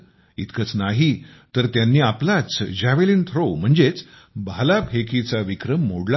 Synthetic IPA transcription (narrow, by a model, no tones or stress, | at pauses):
ḭt̪kət͡snaɦit̪əɾt̪janːiːaplat͡sd͡ʑaʋeliːnt̪ʰɾom̤əɳd͡zet͡s | bʱalapʰekʰit͡saʋikɾəmːoɽla